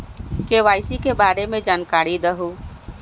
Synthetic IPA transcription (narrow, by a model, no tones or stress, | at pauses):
keʋaːɪsikebaːɾemẽd͡ʒaːnkaːɾid̪əɦu